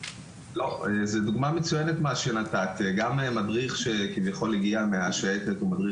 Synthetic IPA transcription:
lo̞ezeduɡmamet͡sujenet̪maʃenat̪at̪eɡamemadʁiχʃe̞kivjaχo̞liɡiameaʃaetet̪omadʁi

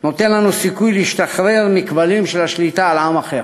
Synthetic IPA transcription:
no̞t̪e̞nlanusikujlehiʃt̪aχʁeʁmikbalimʃelaʃlit̪aalamaχeʁ

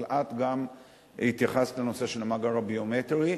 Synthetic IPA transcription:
lʔat̪ɡam | hit̪jaχastleno̞se̞ʃelamaɡaʁobiomet̪eʁi

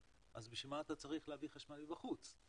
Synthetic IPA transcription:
ʔazbeʃemaːt̪at͡saʁiχleaviχaʃmalbibaχut͡s

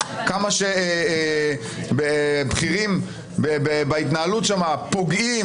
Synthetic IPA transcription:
kamaʃe | bebχiʁim | bebebait̪naalut̪ʃamapo̞ɡi

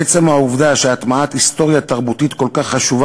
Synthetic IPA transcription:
et͡semauvd̪aʃeat̪maat̪ist̪o̞ʁjat̪aʁbut̪it̪ko̞lkaχːaʃuva

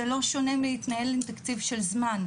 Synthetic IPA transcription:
elo̞ʃo̞nemiit̪nahelimt̪akt͡sivʃelzman

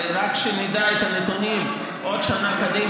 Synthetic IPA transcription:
ɾakʃenid̪aet̪anet̪unim | ʔod̪ʃanakad̪i

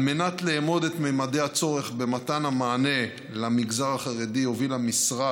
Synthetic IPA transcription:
me̞nat̪leːmo̞d̪e̞t̪mejmade̞hat͡so̞ʁe̞χbe̞matanamaːne̞ | lamiɡzaʁaχaʁediho̞vilamisʁa

